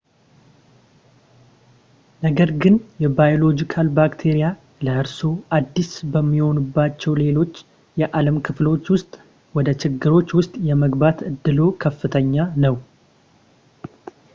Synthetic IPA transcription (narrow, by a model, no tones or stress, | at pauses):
nəɡəɾɡɨnjɛbajolo̞d͡ʒikʰalbakt̪ʰe̞ɾija | ləʔɨɾso̞ʔad̪ːisbəmːiho̞nubːat͡ʃːɛwle̞lo̞t͡ʃː | jɛʔaləmkʰɨflo̞t͡ʃːwʊst̪ʼ | wɔd̪ət͡ʃɪɡːɨɾo̞t͡ʃːwʊst̪ʼjɛməɡbat̪ɨd̪ːɨlo̞kʰəfːɨt̪ʰəɲːanəw